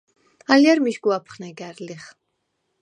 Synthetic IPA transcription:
aljaɾmiʃɡuapʰχnɛɡæɾliχ

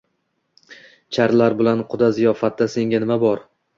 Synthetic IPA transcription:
t͡ʃʰaɾlaɾbɪlanqʰʊd̪azijɒfat̪ːase̞ŋɡʲanɪmabɒɾ

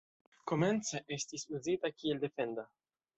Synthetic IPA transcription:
koment͡seʔest̪isuzit̪akield̪efend̪a

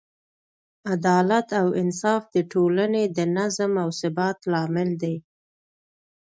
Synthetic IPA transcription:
ad̪ɑlat̪awɪ̰nsɑfd̪əʈʰolaned̪ənazmawsɪbat̪lɑmɪld̪e

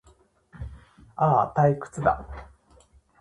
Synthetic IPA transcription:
aːt̪aikɯ̟̥t͡sɨd̪a̰

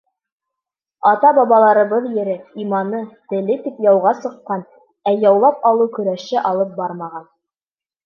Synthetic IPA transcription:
ɑt̪ɑbɑβɑlˠɑɾɤ̆βɤðjɘ̆ɾɘimɑnɤt̪ɘ̆lɘt̪ipjɑwʁɑsɤ̆qːɑn | æjɑwlˠɑpɑlˠɤkɵ̆ɾæʃɘʔɑlˠɤp̚bɑɾmɑʁɑn

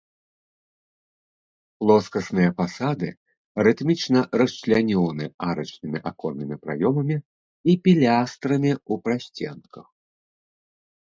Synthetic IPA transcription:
plˠɔskɐsnɨjɐpasad̪ɨ̰ | ɾɨt̪mʲit͡ʂnɐɾɐst͡ʂlʲanʲɔnɨaɾɐt͡ʂnɨmʲiʔakɔnːɨmʲipɾa̰jɔmɐmʲi | ipʲilʲast̪ɾɐmʲiupɾasʲt͡sʲɛ̰nkʰɐx

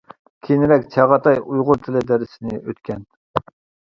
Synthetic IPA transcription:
kʲʰenɪɾɛkʲt͡ʃʰɑʁɑt̪ʰɑjujʁʊɾt̪ʰɪlɪd̪ɛɾɪsɪnɪʔøt̪kʲɛn

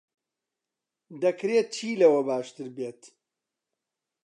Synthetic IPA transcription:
d̪ɐkɾeːt̚t͡ʃʰiːlɐwɐbaːʃt̪ɨɾbeːt̪

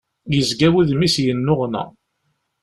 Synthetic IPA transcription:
jəzɡæwiðmisjənːʊʁnæ̰

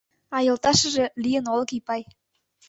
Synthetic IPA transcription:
ɑjɤ̆lˠt̪ɑʃɤ̆ʒĕlʲijə̆nolˠɤ̆kipɑj

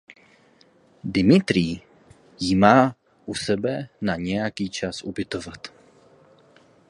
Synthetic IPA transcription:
dɪmɪt̪ɾiː | jimaː | ʔusɛbɛnaɲɛjakiːt͡ʃasʔṵbɪt̪o̞vat̪

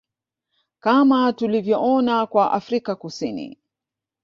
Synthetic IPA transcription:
kamatulivjɔʔɔnakwaʔafɾikakusinḭ

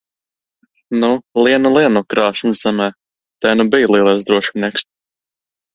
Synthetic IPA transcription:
nulˠiɛnulˠiɛnukɾaːsnɨsz̥ɛmɛː | t̪ɛjnubijlˠiɛlˠajsd̪ɾuɔʃmniɛks

